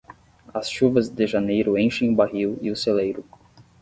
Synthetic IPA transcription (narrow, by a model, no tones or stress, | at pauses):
ɐsʃuvɐzd̪ɪʒanejɾʊẽʃẽj̃ʊbaɦiwiʊselejɾʊ